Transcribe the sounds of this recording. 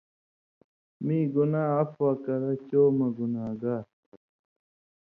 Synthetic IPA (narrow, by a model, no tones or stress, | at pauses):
mĩːɡunaːɐfwakɐɾat͡ɕoːmɐɡunaːɡa